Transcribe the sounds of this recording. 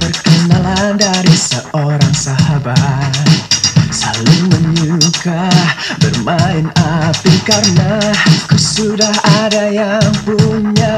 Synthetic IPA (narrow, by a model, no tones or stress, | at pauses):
pərkənalandaɾisəoɾaŋsaɦabat̪̚salʊŋməɲukahbərmaɪnapikarnakəsudahadajaŋpuɲa